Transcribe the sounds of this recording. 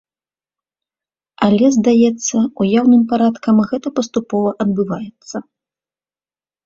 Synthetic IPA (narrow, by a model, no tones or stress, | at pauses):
alʲɛzd̪ajɛt̪sːɐujawnɨmpaɾat̪kɐmɣɛt̪ɐpɐst̪upɔvɐʔɐd̪̚bɨvajɛt̪sːɐ